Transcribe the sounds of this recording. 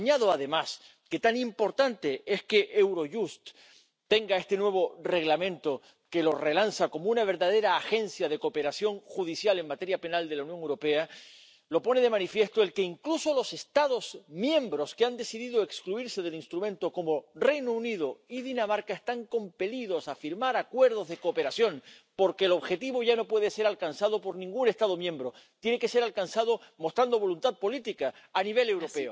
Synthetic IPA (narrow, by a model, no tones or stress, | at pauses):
ɲaðoaðe̞mas | ke̞t̪animpo̞ɾt̪ant̪e̞ʔeske̞ʔewɾo̞ʝust̪ː | e̞ŋɡae̞st̪enwe̞β̞o̞re̞ɣlamẽ̞nt̪o̞ | kelo̞re̞lansako̞mounaβ̞e̞ɾðað̞e̞ɾaːxe̞nsjaðe̞ko̞pe̞ɾasjo̞ŋxuðisjaleŋmat̪e̞ɾjape̞nald̪e̞launjoŋewɾo̞pe̞a | lo̞po̞ne̞ð̞e̞mãnifje̞st̪oelkeiŋkluso̞lo̞se̞st̪aðozmjẽ̞mbɾo̞skeand̪e̞siðiðoekskluiɾse̞ð̞e̞linst̪ɾumẽ̞nt̪oko̞mo̞re̞jnouniðoiðinamaɾkaest̪aŋko̞mpe̞liðo̞safiɾmaɾakwe̞ɾð̞o̞zðe̞koːpe̞ɾasjõ̞ŋ | po̞ɾkeːlo̞βxe̞t̪iβo̞ʝano̞pwe̞ðe̞se̞ɾalkansaðo̞po̞ɾnĩŋɡune̞st̪að̞o̞mjẽ̞mbɾo̞ | t̪jeneke̞se̞ɾalkansað̞o̞mo̞st̪ɾand̪o̞βo̞lunt̪að̚po̞lit̪ikaː | niβ̞e̞le̞wɾo̞pe̞o